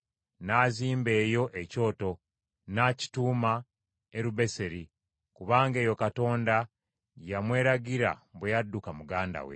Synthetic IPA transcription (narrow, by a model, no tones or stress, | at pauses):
naːziːmbe̞ːjo̞ʔeco̞ːto̞ | naːci̥tuːma | eɾuβe̞se̞ɾi | kuβaːŋɡe̞ːjo̞kato̞ːnda | jamwe̞ːɾaɡiɾa̰bwejadːukamuɡaːnda̰wḛ